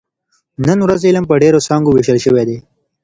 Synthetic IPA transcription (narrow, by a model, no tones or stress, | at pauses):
nənwɾazeləmpəɖeɾosɑːŋɡoweʃəlʃəwed̪e